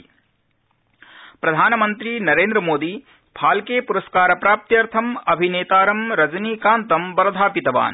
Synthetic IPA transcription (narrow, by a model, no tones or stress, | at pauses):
pɾɐd̪ʱaːnɐmɐnt̪ɾinɐɾeːnd̪ɾɐmoːd̪iː | bʰʱaːlkeːpuɾɐskaːɾɐpɾaːp̚t̪jɐɾt̪ʰɐmɐbʱineːt̪aːɾɐmɾɐd͡ʒniːkaːnt̪ɐmbɐɾɐd̪ʱaːpit̪ɐʋa̰ːn